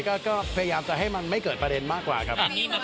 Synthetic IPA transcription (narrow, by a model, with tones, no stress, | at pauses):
kɔː˧˥˩kɔː˥˩pʰːjaː˧mt͡ɕa˧ɦa˥˩jma˧nma˦˥˩jkəː˨˩t̪̚pɾa˧e˧nmaː˦˥˩kwa̰ː˨˩kʰa˦˥